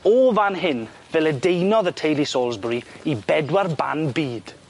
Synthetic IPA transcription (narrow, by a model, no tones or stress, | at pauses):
ɔvanɦɪn | vɛlədejnɔðətʰejlisoːlˠzbriibɛdwarba̰nbiːd̥